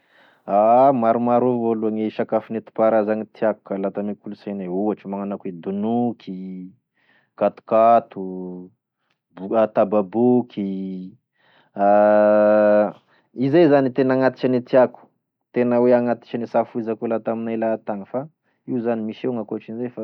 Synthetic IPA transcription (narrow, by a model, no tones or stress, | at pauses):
amaɾumaɾovoluaŋeʃakafinet̪u̥paɾazaŋit̪ʰiaku̥kalat̪amikuluseneuaʈ͡ʂimaŋanakued̪unukʰi | kat̪u̥kat̪u | bat̪ababukʰi | a | izezanit̪enaŋat̪i̥t͡ʃanit̪iaku̥ | t̪enəweaŋat̪i̥t͡ʃanesafuizakolat̪aminajlat̪aŋəfa | iwzanimiseŋakoaʈ͡ʂinzefa